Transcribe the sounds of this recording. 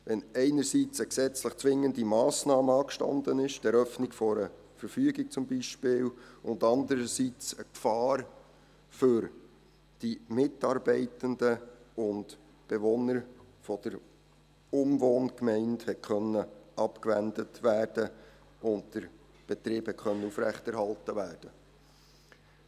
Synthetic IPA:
ʋɛnɛɪnəɾsit͡səksɛt͡sləχt͡sʋɪŋːəndimɑːsnɑːməɑːkʃtɑ̰ndənɪʃd̥ɛɾœfnɪɡfɔɾə | fəɾfyːɡik̚t͡sʊmbiʃpɪːlʊndɑndəɾəsit͡səkfɑːɾ | fʏɾ | d̥imɪtɑɾbɛɪtəndəʊnd | b̥eʋɔnəɾ | fɔd̥əɾ | ʊmʋoːnkmɛɪnthɛt̚kʰχœnːəʔɑpkʋændətʋæːrd̥ə | ʊnt̚d̥əɾ | b̥ɛtɾɪːphɛt̚kʰœnːəufɾæχtɛɾhɑltəʋæːrd̥ə

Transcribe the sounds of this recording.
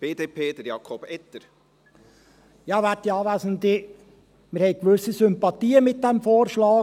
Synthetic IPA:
b̥eːd̪eːpʰeːd̪əɾjɑːkʰɔbɛt̪əɾ | jɑːʋætiɑːʋæːzənd̪ɪ | mɪɾhɛɪkʋɵsəsʏmpɑt̪iːəmɪt̚d̪ɛmfoːɾʃlɑː

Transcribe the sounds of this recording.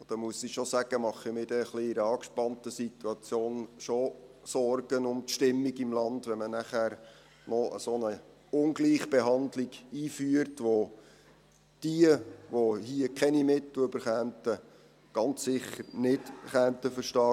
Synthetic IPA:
od̥̪əmuəsiʃosæɡ̥əmɑχimɪdɛχliɪɾəɑːkʃpɑntəsituɑt͡sjoːnʃosɔrɡənʊmt̪ʃtɪmːiɡɪmlɑndʋɛmənæχæːɾ | nɔʔə̰sonə | ʊnɡliːχb̥eɦɑndliɡiːfyəɾtʋo | d̥iəʋohiəkʰɛnimɪt̪ːløbəɾχæːntə | ɡ̥ɑnt͡ssɪχəɾnɪtχæːntəfəɾʃtɑː

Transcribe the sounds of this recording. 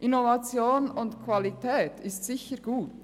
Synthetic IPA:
ʔɪnovat͡sjoːnʊntkʰv̥alitʰɛːtʰɪstsɪçəɾɡ̥uːt

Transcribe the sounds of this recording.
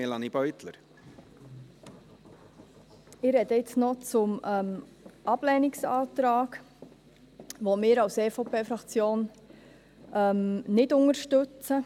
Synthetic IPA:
elɑnib̥œʏt̪lə̰ɾ | ɪɾɛdəɪt͡snɔt͡sʊmɛm | ʔɑb̥lɛnɪksɑːt̪ɾaːk | ʋomɪːɾɑwseːfopʰeːfɾɑkt͡sjoːn | ʔɛmnɪdʊŋəɾʃtɵt͡sə

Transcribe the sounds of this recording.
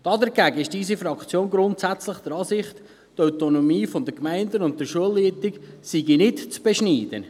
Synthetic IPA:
d̥ɑdəɾɡæɡəɪʃd̥iːsifɾɑkt͡sjoːnɡɾʊntsæt͡slɪχd̥̪əɾɑːsɪχt̪ | tœwtonomiːfɔnd̪əkmæɪndənʊnt̚təʃuəlːiətɪksiɡinɪtt͡sb̥ɛʃniːd̥ə̰

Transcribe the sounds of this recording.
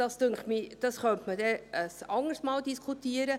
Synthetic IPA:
d̥ɑst̪øŋkχtmid̥ɑsχœnt̪mədɛəsɑŋəstmɑːldiskʰutiəɾə

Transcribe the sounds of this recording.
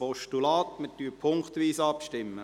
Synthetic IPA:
ɔʃtulɑːt̪mətyːpʰʊŋkt̪ʋiːsɑpʃtɪmːə

